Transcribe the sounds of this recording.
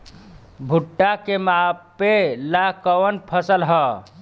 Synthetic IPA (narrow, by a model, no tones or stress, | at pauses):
bʱuʈːakemapelakəwənpʰəsəlɦə